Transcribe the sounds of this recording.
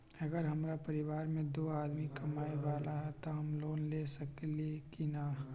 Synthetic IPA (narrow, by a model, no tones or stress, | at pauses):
ɐɡəɾɦɐmɾapɐɾɪʋaːɾmẽd̪oːaːd̪mikɐmaːeʋaːlaɦɛt̪oɦɐmloːnleːsɐklekinaː